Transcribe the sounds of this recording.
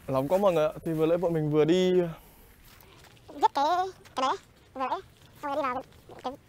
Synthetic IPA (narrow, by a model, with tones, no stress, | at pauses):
la˨˦ŋ͡mkɔ˨˦mə˨˩nʔa̰˧˨t̪ʰi˨˩vlə̰˧˥˦ɓə̰˧˨nmï˨˩ŋ̟vɨ˨˩əɗi˧˨ | zə˦˥t̚kaː˨˦jkaː˨˦ɓe˨˦˨ | lə̰˧˥˦j | sa˧a˨˩˦i˧aː˨˩˨ | kaː˨˦